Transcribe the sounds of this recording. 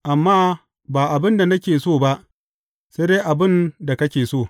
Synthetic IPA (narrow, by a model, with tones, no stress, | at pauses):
ʔa˨mːaː˦ | baː˨ʔa˨bɪ˦nda˨nɐ˦kʲeː˨soː˦˨ba˦ʔ | seː˦deː˦ʔa˨bɪ˦nda˨kɐ˦kʲeː˨soː˦˨